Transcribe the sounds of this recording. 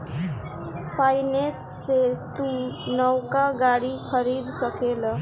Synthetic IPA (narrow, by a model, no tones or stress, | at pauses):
pʰajnesːet̪unʌwkaɡaɽikʰʌɾid̪sʌkelʌ